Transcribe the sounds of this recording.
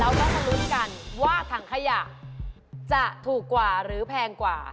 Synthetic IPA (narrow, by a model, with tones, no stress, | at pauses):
lɛ˦˥wkaː˥˩ma˧nu˦˥t̪̚ka˧nwaː˥˩t̪ʰaː˩ŋkʰa˧ja˨˩ʔ | t͡ɕa˨˩ʔt̪ʰuː˨˩kːwaː˨˩ɾɯː˩˦pʰɛː˧ŋkwa̰ː˨˩